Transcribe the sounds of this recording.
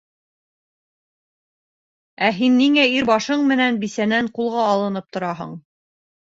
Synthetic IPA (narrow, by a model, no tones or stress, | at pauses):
æɦinːiŋæiɾbɑʃɤɴmɘ̆nænbisænæɴqulˠʁɑːlˠɤ̆nɤp̚t̪ŏɾɑɦɤ̰ɴ